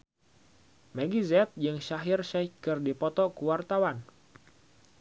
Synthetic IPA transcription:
maɡizɛt̪̚d͡ʒɨŋʃaɦirʃakɨrdipɔt̪ɔkuwart̪awan

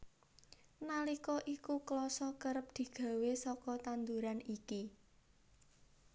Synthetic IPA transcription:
nalikɔʔikuklɔsɔkəɾəp̚d̪̥i̤ɡ̥ä̤wesɔkɔt̪and̪uɾaniki

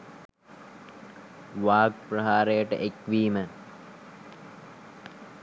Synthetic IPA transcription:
ʋaːɡ̚prəɦaːɾejəʈə̰ʔekʋiːmə

